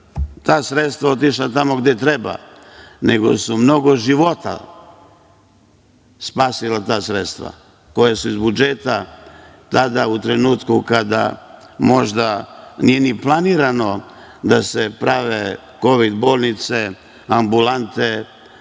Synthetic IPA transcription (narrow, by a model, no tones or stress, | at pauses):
t̪aːsɾet̪st̪ʋao̞t̪̬iʃlat̪amo̞ɡd̪et̪ɾeba̰ | neɡo̞̰sumno̞ɡo̞ʒiʋo̞t̪a̰ | spaːsilat̪aːsɾet̪st̪ʋa̰ | ko̞jesuizbud͡ʒet̪a | t̪ad̪aut̪ɾenuːt̪kukad̪a̰ | mo̞ʒd̪anije̞niplˠaniːɾano̞ | d̪asepɾaʋe | ko̞ʋid̪bo̞ːlˠnit̪se | ambulant̪e